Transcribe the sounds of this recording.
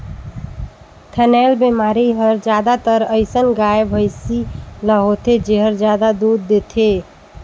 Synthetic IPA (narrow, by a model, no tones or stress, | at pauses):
t̪ʰənɛlbemaɾiɦəɾd͡ʒad̪at̪əɾəɪsənɡajebʱəɪsiləɦot̪ʰed͡ʒeɦəɾd͡ʒjad̪ad̪ud̪ːet̪ʰe